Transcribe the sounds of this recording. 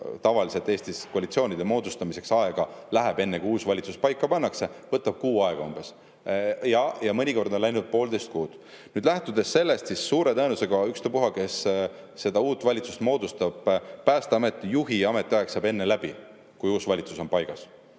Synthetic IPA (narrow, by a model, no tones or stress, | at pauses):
t̪ɑvɑliset̪ːˑe̞ːst̪iskoɑlit̪sio̞ːnʲid̪̥e̞mo̞ːd̪ust̪ɑmise̞ksɑe̞ɡ̥ɑlæɦeb̥e̞nːe̞kujuːsvɑlʲit̪su̥spɑjkːˑɑpɑnːɑkse̞vɤt̪ːˑɑb̥̚kuːɑe̞ɡ̥ɑumb̥e̞s | jɑjɑmɤnʲiko̞rd̪onlæjnud̪̥̚po̞ːld̪e̞jst̪̚kuːd̪̥ | nyːd̪læht̪ud̪e̞sːe̞lːe̞st̪sisːuːɾe̞t̪ɤenuse̞ɡ̥ɑykst̪øpuɦɑke̞sː | e̞d̪ɑuːt̪ːˑvɑlʲit̪sust̪mo̞ːd̪ust̪ɑb̥pæːst̪eɑme̞t̪ːˑijuɦiɑme̞t̪ːˑiɑeksɑbe̞nːelæb̥i | kujuːsvɑlʲit̪suso̞npɑjɡ̥ɑs